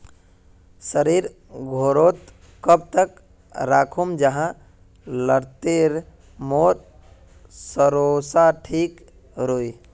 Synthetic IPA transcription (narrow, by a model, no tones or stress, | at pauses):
səɾiɾ | ɡʱoɾot̪ | kəb̚t̪ək | ɾaːkʰumd͡ʒəɦã | ləɾt̪eɾ | moːɾ | səɾosaʈʰik | ɾoj